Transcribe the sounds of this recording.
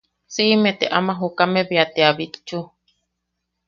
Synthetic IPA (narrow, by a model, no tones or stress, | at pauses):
simet̪eʔamãɦukamẽβiat̪eaβit̪t͡ʃu